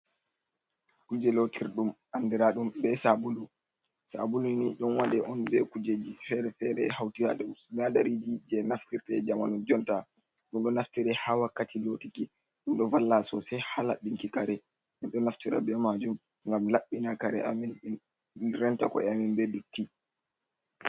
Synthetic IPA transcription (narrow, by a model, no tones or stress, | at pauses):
kud͡ʒɛlotʰiɾɗumʔandiɾaɗumbɛsabulu | sa̰buluniɗɔnwaɗɛʔɔnbɛkud͡ʒed͡ʒifɛɾɛfɛɾɛhawtiɾa̰ɗumnadaɾid͡ʒid͡ʒɛnaftiɾtɛd͡ʒama̰nɔd͡ʒɔnta | ɗumɗɔnaftiɾɛhawakːatilotiki | ɗumɗɔvalːasɔsɛhala̰ɗiŋkikaɾɛ | ɗɛɗɔnaftiɾa̰bɛmad͡ʒum | ŋɡamlaɓːinakaɾɛ̰amin | ɾɛnta̰kɔ̰ɛaminbedutːi